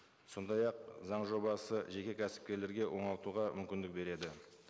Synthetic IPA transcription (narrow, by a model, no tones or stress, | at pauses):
so̞nd̪ɑjɑq̚zɑɴʒo̞bɑsəʒe̞kʲe̞kʲʰæsɪ̥p̚kʲe̞ɾle̞ɾɡʲe̞wʔo̞ɴɑlˠt̪uʁɑmʏmkʲɪnd̪ɪk̚be̞ɾe̞d̪ɪ